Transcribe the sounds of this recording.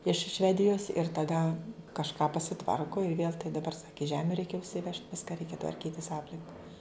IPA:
ɪʃ ˈʃʲʋʲæːdʲɪjoːs ɪr tɐˈdɐ kɐʃˈkɑː pɐsʲɪˈtʋɐrkʊ ɪr ʋʲeːlˠ tɐɪ dɐˈbɐr ˈsɑːkʲɪ ˈʒʲæːmʲʊ ˈrʲɛɪkʲɛ ʊʃʲsʲɪˈʋʲɛʃt ˈʋʲɪskɐ ˈrʲɛɪkʲɛ tʋɐrʲˈkʲiːtʲɪs ˈɑːpʲlʲɪŋkɐ

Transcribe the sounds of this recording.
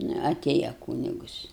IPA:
ˈnʊ ɐˈtʲeːjɛ ˈkuːnʲɪɡʊs

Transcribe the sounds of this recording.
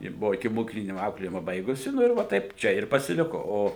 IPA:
jɪ ˈbʊʋoː ɪkʲɪmoːˈkʲiːklʲɪnʲɪ ˈɐʊklʲeːjɪmɐ ˈbɐɪɡʊsʲɪ ˈnʊ ɪr ˈʋɐ ˈtɐɪp ˈt͡ʃʲɛ ɪr pɐsʲɪˈlʲɪkoː ˈoː

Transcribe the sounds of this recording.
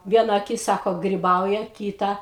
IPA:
ˈʋʲiɛnɐ ɐˈkʲɪs ˈsɑːkoː ɡrʲɪˈbɐʊjɛ ˈkʲiːtɐ

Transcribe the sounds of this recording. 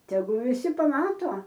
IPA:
tʲɛˈɡʊ ʋʲɪˈsʲɪ pɐˈmɑːtoː

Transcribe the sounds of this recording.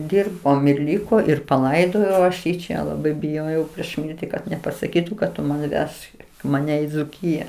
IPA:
ˈdʲɪrboːm ɪr ˈlʲɪkoː ɪr pɐˈlˠɐɪdoːjɛʊ ˈɐʃ jiː ˈt͡ʃʲɛ lˠɐˈbɐɪ bʲɪˈjoːjɛʊ pʲrʲiɛʃ ˈmʲɪrʲtʲɪ kɐt nʲɛpɐsɐˈkʲiːtʊ kɐt ˈtʊ mɐnʲ ˈʋʲɛʃk mɐˈnʲɛ ɪ d͡zʊˈkʲiːjɛ

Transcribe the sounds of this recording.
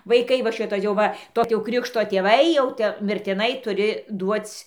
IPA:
ʋɐɪˈkɐɪ ʋɐ ˈʃʲɪtoː jɛʊ ˈʋɐ ˈtoː tʲɪ jɛʊ ˈkrʲɪkʃtoː tʲeːˈʋɐɪ jɛʊ ˈtʲɛ mʲɪrʲtʲɪˈnɐɪ tʊˈrʲɪ ˈduɔt͡sʲ

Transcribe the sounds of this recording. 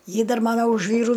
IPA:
ˈjɪ ˈdɐr ˈmɑːnɐ ʊʃ ˈʋʲiːrʊ

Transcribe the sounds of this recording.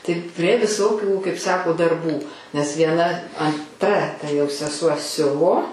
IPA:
tɐɪp pʲrʲiɛ ˈʋʲɪsoːkʲuː kɐɪp ˈsɑːkoː dɐrˈbuː nʲɛs ʋʲiɛˈnɐ ɐnˈtrɐ tɐ jɛʊ sʲɛˈsuɔ ˈsʲʊʋoː

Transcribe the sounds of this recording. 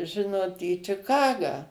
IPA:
ˈʒʲɪnoːt iː t͡ʃʲɪˈkɑːɡɑː

